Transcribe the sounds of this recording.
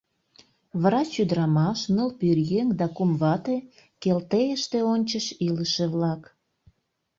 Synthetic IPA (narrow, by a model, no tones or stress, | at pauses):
βɾɑt͡ɕyd̪əɾɑmɑʃnəlpyrjeŋd̪ɑkumβɑt̪e | kelt̪ejəʃt̪eonʲt͡ɕəʃiləʃeβlɑk